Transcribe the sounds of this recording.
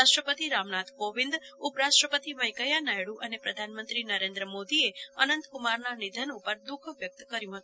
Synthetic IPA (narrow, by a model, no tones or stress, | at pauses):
aʃʈɾəpət̪iɾamnat̪ʰkoʋɪ̃nd̪upɾaʃʈɾəpət̪iməjkəjanajɽũʔənepɾəd̪ʱanmənt̪ɾinəɾẽnd̪ɾəmod̪ieənənt̪kumaɾnanid̪ʱənupəɾd̪ukʰʋjək̚t̪kəɾjũɦət̪